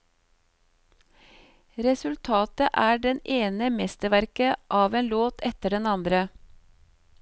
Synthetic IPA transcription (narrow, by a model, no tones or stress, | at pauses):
ɾɛsʉlt̪ʰɑːt̪əʔæːɖɛneːnəmɛst̪əʋæɾkəʔɑːʋeːnloːt̪ʰɛt̪əɖɛnɑnd̪ɾə